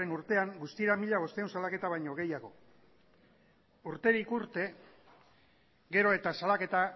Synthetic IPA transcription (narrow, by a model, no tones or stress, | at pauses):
enuɾt̪e̞aŋɡust̪ieɾamiʎaβ̞o̞st̪eaunsalake̞t̪aβ̞ajɲo̞ɣe̞jaɣ̞o̞ | uɾt̪e̞ɾikuɾt̪e̞ | ɡe̞ɾo̞e̞t̪asalake̞t̪a